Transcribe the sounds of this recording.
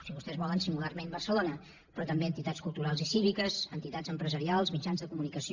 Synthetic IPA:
siβust̪ɛzβɔlənsiŋɡularmẽnbərsəlonə | pɾɔt̪əmbeənt̪it̪askulˠt̪uɾalˠzisiβikəzənt̪it̪azəmpɾəzəɾialˠzmid͡ʒanzðəkumunikəsi

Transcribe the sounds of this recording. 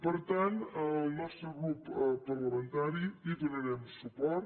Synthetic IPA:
pəɾt̪ant̪əlˠnɔst̪ɾəɣɾuppəɾləmẽnt̪aɾiit̪ənəɾɛməsupɔɾt̪

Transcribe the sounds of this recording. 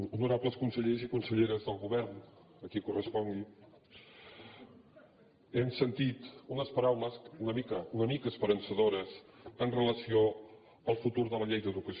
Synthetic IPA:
unuɾapləskunsəʎezikunsəʎeɾəzðəlˠɣuβɛɾn | əkikurəspɔŋɡi | emsənt̪it̪unəspəɾawləsunəmikəunəmikəːspəɾənsəðoɾəsənrələsio | əlˠfut̪uɾðələʎejðəðukəs

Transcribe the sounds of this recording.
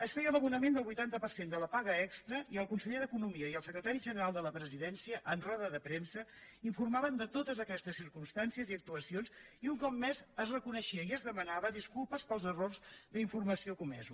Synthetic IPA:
əsfejələβunəmend̪əlˠβujt̪ant̪əpərsend̪ələpaɣəɛkst̪ɾəʔiəlˠkunsəʎeðəkunumiəiəlˠsəkɾət̪aɾiʒənəɾalˠd̪ələpɾəziðɛnsiəʔənrɔðəðəpɾemsəiɱfurmaβənd̪ət̪ot̪əzəkɛst̪əsːiɾkumst̪ansiəziək̚t̪uəsionsiuŋkɔp̚mːɛzəzrəkunəʃiəiəzðəmənaβəðiskulˠpəspəlˠzərorzðəiɱfurməsiokumɛ̰zu

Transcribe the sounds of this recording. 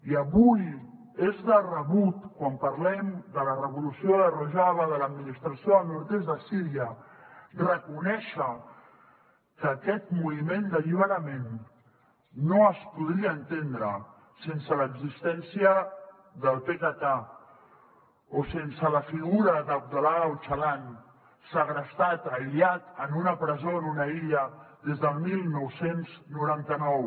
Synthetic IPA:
iəβuj | ezðərəβut̪kwampɐɾlɛmd̪ələrəβulusioðəruʒaβəðələd̪minist̪ɾasioəlnuɾt̪ezðəsiɾiə | rəkunɛʃə | kəkɛt̪muβimend̪əʎiβ̞əɾəmen | oəspuðɾiaːnt̪end̪ɾə | sensələɡzist̪ɛnsiə | ðəlˠpekat̪a | osensələfiɣuɾəðəb̚d̪alawt͡ʃəlan | saɣɾəst̪at̪əiljat̪ənunəpɾəzonunəiʎəðezðəlˠmilˠnɔwsenznuɾant̪ənɔw

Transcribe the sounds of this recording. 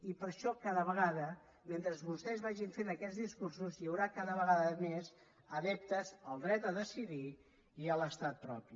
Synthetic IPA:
ipəɾʃɔkaðəβəɣaðə | ment̪ɾəzβust̪ɛzβaʒiɱfenəkɛd͡zðiskursuzjəwɾakaðəβəɣaðəmez | əðɛp̚t̪əzəlˠd̪ɾɛt̪̚d̪əðəsiði | iələst̪at̪̚pɾɔ̰pi

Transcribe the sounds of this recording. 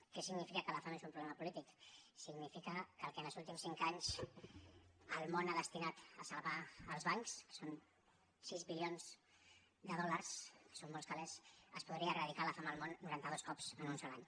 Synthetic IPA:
kɛsiɡnifikəkəlafamezumpɾuβlɛməpulit̪iksiɡnifikəkəlˠkɛnəlˠzulˠt̪imsiŋkaɲs | əlˠmonaðəst̪inat̪əsalβaːlˠzβaŋkskə̥son | sizβilionz | d̪əð̞ɔləɾskə̥somːɔlˠskalɛsəspuðɾiərəðikaləfaməːlmonːuɾant̪əðoskɔpzənunsɔlaɲ

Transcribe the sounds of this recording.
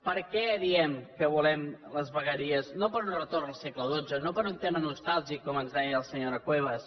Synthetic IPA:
pəɾkɛðiɛmkəβulɛmləzβəɣəɾiəznopəɾunrət̪ornəlˠsekləðod͡zənopəɾunt̪emənust̪alˠzikɔmənzaɲəlˠsəɲoɾəkweβəs

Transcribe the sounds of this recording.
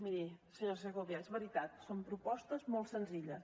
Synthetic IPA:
miɾisəɲozəɣoβjaezβəɾit̪at̪sompɾupɔst̪əzmolˠt̪sənziʎəs

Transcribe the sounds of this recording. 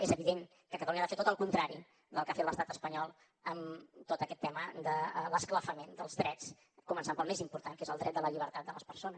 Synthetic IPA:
ezəβiðeŋ | kəkət̪əluɲəaðafet̪ot̪əlˠkunt̪ɾaɾi | d̪əlˠkafet̪ləst̪at̪əspəɲɔlˠ | əmt̪ot̪əkɛt̪ːɛməd̪ələskləfəmend̪əlˠzðɾɛt͡s | kumənsampəlˠmezimpuɾt̪aŋkezəlˠd̪ɾɛt̪̚d̪ələʎiβ̞əɾt̪at̪̚d̪ələspərsonəs

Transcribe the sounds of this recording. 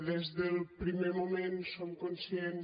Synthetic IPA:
ðezðəlˠpɾimemomẽnsomkonsjen

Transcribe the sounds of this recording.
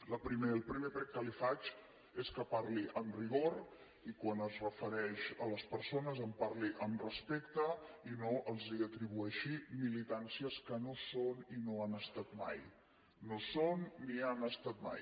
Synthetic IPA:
ləpɾimeəlˠpɾimepɾɛkkːəlifat͡ʃ | eskəpaɾliʔənriɣoɾ | ikwanəzrəfəɾɛʃələspəɾsonəzəmpaɾliʔəmrəspekt̪əinoʔəlˠziət̪ɾiβ̞uɛʃimilit̪ansiəskənosoninoanəst̪at̪ma̰j | nosonːianəst̪at̪̚ma̰j

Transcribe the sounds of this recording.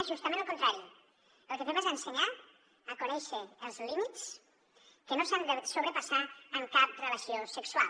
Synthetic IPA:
ʒust̪əmẽnəlˠkunt̪ɾaɾi | əlˠkəmeβezənsəɲa | əkunɛʃəːlˠzlimit̪s | kənosand̪əsoβɾəpasaəŋkap̚rələsiosəkswa̰l

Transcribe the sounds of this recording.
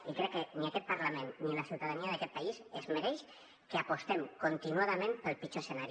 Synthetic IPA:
ikɾɛkːeniakɛt̪̚paɾlamẽnːilasiwt̪aðaniaðakɛt̪paisezmeɾɛjʃ | keapost̪emkont̪inuaðamẽmpəlˠpit͡ʃosenaɾ

